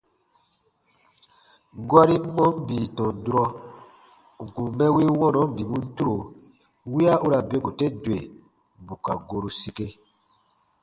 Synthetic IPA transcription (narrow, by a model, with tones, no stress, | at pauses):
ɡwa˦ɾi˦mɔ̃˦m˦bi˨tɔ̃˨du˨ɾɔ˧ | ŋ˨ku˨mɛ̃˦wi˦wɔ̃˦nɔ̃˨˦m̩˦bi˨mũ˦n̩˦tu˦ɾo˨ | wi˦a˦u˦ɾa˨be˦ɡu˨te˦dwe˨ | bu˨ka˨ɡo˧ɾu˨si˧ke˦